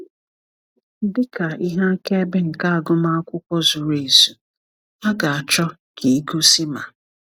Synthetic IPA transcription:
n̩˦dɪ˦ka˨i˦ɦa˦ke˦bɪ˦ŋ̩˨ka˦a˨ɡʊ˦ma˦kʷʊ˦kʷɔ˦zʊ˨ɾe˨zu˨ | a˦ɡa˨a˨t͡ʃɔ˦ | kʰi˨i˦ɡo˦si˦ma˨

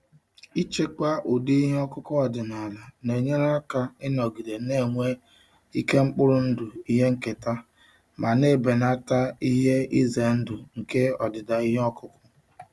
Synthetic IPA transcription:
i˦t͡ʃe˦k͡pa˦ʔo˨de˦i˦ɦe˦ɔ˦kʊ˦kɔ˦ɔ˨dɪ˨na˨la˨ne˨ɲe˦ɾa˦ka˦ɪ˦nɔ˨ɡi˨de˨ne˦˨ŋʷe˦ | i˦ke˦ŋ͡m̩˦k͡pʊ˦ɾʊ˦n̩˦dʊ˨i˦ɦe˦ŋ̩˨ke˨ta˦ | ma˨ne˦˨be˨na˦ta˦i˦ɦe˦i˦ze˨n̩˦dʊ˨ŋ̩˨ke˦ɔ˨dɪ˨da˨i˦ɦe˦ɔ˦kʊ˦kʊ̥˦

